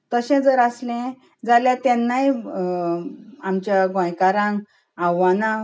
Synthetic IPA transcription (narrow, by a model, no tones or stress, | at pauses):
t̪əɕɛ̃d͡zəɾəslɛ̃ | d͡zaljat̪ɛnːaj | amt͡ɕjaɡɔ̃jkaɾãŋɡ | awana